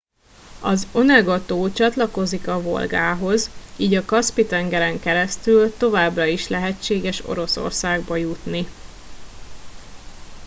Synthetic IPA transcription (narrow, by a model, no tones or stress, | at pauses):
ɒzo̞nɛɡot̪oːt͡ʃɒt̪lɒko̞zikɒvo̞̰lɡaːɦo̞ziːɟɒkɒspit̪ɛŋɡɛɾɛŋkɛɾɛst̪ylt̪o̞vaːbrɒiʃlɛɦɛt͡ʃːeːɡɛʃo̞̰ɾo̞so̰rsaːɡbɒjut̪ni